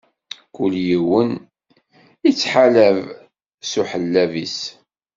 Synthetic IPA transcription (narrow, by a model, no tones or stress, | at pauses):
kʊljiwən | it͡sːħalæv | suħəlːævis